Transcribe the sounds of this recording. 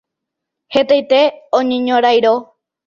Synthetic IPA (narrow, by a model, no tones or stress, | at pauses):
het̪ajt̪eõɲẽɲõɾajɾo